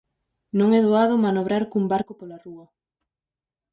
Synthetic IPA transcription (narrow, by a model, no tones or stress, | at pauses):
nõŋɛðoaðʊmanoβɾaɾkumbaɾkʊpolaruɐ